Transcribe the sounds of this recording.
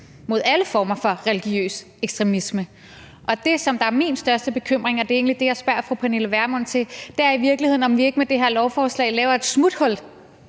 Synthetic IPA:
mo̝ðˠæləfɒːmɐfɒ̽ʁɛliɡ̥jiø̰ːs | eɡ̥sd̥ʁɛmismə | ʔɒ̽d̥e̝sɒ̽md̥ɑ̈æɐminsd̥ɶɐsd̥əb̥e̝kʰøm̰ʁeŋɒ̽d̥e̝e̝̰ːnlid̥e̝jɑ̈ɪsb̥ɶɐ̰fʁupʰæne̝ləʋæɐmɔ̽n̰t͡sʰe̝d̥eæɐiʋiɐɡ̥lihe̝ð̰ˠn̩ɒ̽mʋie̝ɡ̥əmed̥e̝ɦeɐ̰lɒʊfɒːslɛ̰ɪ̰lɛːʊɐe̝d̥smud̥hɔ̽l̰d̥

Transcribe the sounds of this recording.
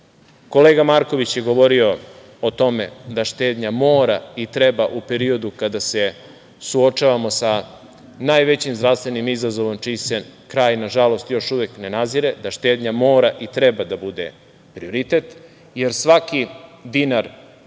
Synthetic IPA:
ko̞leːɡamaɾko̞ʋit͡ɕjeɡo̞ʋo̞ɾio̞ | ot̪o̞me̞̰d̪aʃt̪eːd̪ɲamo̞ːɾait̪ɾebaʔupe̞ɾio̞d̪ukad̪ase̞ | suo̞t͡ʃaːʋamo̞sa | naːjʋe̞t͡ɕimzd̪ɾafst̪ʋe̞nimizazo̞ʋo̞mt͡ʃiːsekɾaːjnaʒalo̞st̪jo̞ʃuʋekne̞naziɾe̞d̪aʃt̪eːd̪ɲamo̞ːɾaʔit̪ɾebad̪abud̪ḛ | pɾioɾit̪et̪ | jeɾsʋakid̪inaɾ

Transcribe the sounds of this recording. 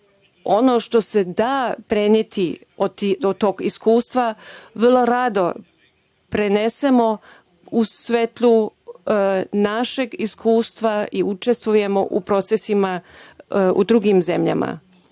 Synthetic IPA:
o̞no̞ːʃt̪o̞se̞d̪aːpɾenjet̪i | ot̪iot̪oːɡiskuːst̪ʋaʋr̩lˠo̞ɾad̪o̞ | pɾenesemo̞ | usʋet̪lˠu | naʃeɡiskuːst̪ʋaiut͡ʃe̞st̪ʋuje̞mo̞ʔupɾo̞t̪sesima | ṵd̪ɾuɡimze̞mʎa̰mʔa̰

